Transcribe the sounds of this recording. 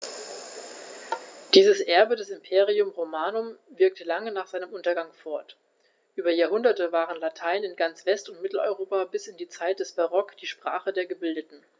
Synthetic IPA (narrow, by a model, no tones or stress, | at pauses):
d̥iːzəsʔɛɐbədɛsɪmpʰeːʁ̞iʊmʁomaːnʊmvɪɐk̚təlaŋənaːχz̥aɪnəmʔʊntɐɡaŋfɔɐt | ʔyːbɐjaːɐɦʊndɐtəvaːʁ̞ənlatʰaɪnɪnɡant͡sv̥ɛstʊntmɪtl̩ɔ̰ʏʁoːpabɪsɪndiːt͡saɪt̚d̥ɛsb̥aʁɔkd̥iːʃpʁ̥a̰ːχədeːɐɡəbɪldətn̩